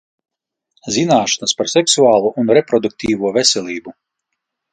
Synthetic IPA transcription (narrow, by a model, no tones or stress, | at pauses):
zinaːʃḁnaspaɾsɛksuaːlˠuɔʔunɾɛpɾɔd̪uk̚t̪ʰiːvuɔvɛsʲɛlʲˠiːbu